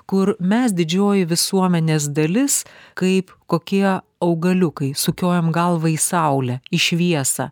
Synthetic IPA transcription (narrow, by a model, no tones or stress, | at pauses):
kʊɾmʲɛsd̪ʲɪd͡ʒʲoːjɪʋʲɪsuɔmʲɛnʲeːsd̪ɐlʲɪskɐɪpkoːkʲiɛ | ɐʊɡɐlʲʊkɐɪsʊkʲoːjɛmɡɐlˠʋɐisɐʊlʲɛɪʃʲʋʲiɛsɐ̰